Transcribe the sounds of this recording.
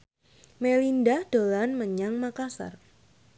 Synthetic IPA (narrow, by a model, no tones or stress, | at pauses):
melindahd̥olanməɲaŋmakasa̰r